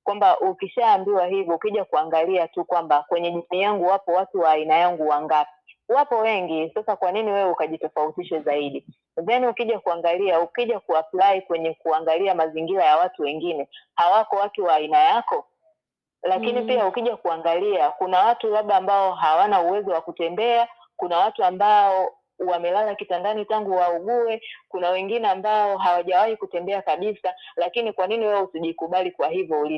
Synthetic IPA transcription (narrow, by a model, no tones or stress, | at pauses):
kwambaʔukiʃaːmbiwaɦivjɔukiʄakuaŋɡaliatukwambakwɛɲɛʄipijaŋɡuwapɔwatuwaːinajaŋɡuwaŋɡapi̥wapɔwɛŋɡisasakwaniniwɛwɛukaʄitɔfautiʃɛzaiɗi | vɛniukiʄakuaŋɡaliaukiʄakuwaflaikwɛɲɛkuaŋɡaliamaziŋɡiɾajawatuwɛŋɡinɛhawakɔwatuwaːinajakɔ | lakinipiaukiʄakuaŋɡaliakunawatulaɓ̚ɗaːmbaɔɦawanauwɛzɔwakutɛmbɛa | kunawatuambaɔ | wamɛlalakitandanitaŋɡuwauɡuwɛkunawɛŋɡinɛambaɔɦawaʄawahikutɛmbɛakaɓisalakinikwaniniwɛusiʄikuɓalikwaɦivjɔuli